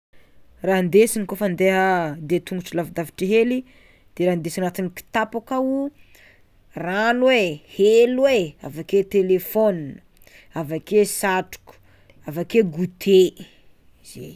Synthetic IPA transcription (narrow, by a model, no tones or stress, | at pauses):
raɦnd̪esinkofand̪eɦəd̪et̪uŋɡuʈ͡ʂilavid̪avi̥ʈ͡ʂiɦeli | d̪̥eɾand̪esinat̪iniki̥t̪apakau | ranwehelwea̰vaket̪elefonin | avakesaʈ͡ʂu̥ku̥ | avakeɡut̪ʰe | z̥ḛj